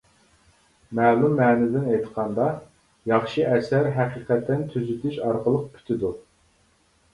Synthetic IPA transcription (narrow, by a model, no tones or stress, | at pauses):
mæːlumːɛːnɪd̪ɪnɛjt̪qʰɑnd̪ɑ | jɑχʃɨɛsæɾɦɛqiqɛt̪ːɛnt̪ʰyzt̪yʃɑɾqʰəlˠəq̚pʰy̥t̪ʰɪd̪u